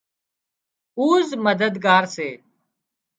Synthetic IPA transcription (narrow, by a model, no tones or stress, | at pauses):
uːzməd̪əd̪ɡaːɾseː